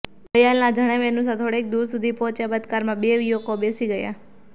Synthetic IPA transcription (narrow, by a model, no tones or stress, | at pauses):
bəjalnad͡ʒʱəɽ̃emenũs̬at̪ʰoɽek̚d̪uɾsud̪ʱipɔ̃ːt͡ʃjabəd̪kaɾmãɓeʋijokobesiɡəja̰